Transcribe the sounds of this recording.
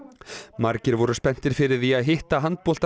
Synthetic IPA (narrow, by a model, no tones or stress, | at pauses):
maɾcɪɾvɔɾʏspɛn̥t̪ɪɾ̥fɪɾɪɾθiaðɦɪht̪aɦant̪̚pɔlt̪